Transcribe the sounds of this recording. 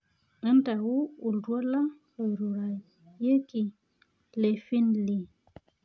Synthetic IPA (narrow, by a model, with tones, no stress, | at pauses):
ə˦nta˨wu˦u˨ldwo˦la˦ | o˨jɾu˨ɾa˨j | je˦ki˨ | le˨fi˦nli˨